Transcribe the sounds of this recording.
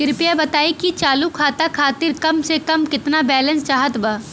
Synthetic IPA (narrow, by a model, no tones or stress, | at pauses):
kɪɾpijabɐt̪aːekit͡ʃaːlukʰaːt̪akʰaːt̪ɪɾkɐmsekɐmkɪt̪nabɛːlə̃nst͡ʃaːɦət̪baː